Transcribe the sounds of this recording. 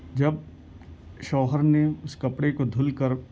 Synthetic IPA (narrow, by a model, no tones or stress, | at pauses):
d͡ʒɐb̚ | ʃɔːɦəɾneʊskɐpɽekod̪ʱʊlkɐɾ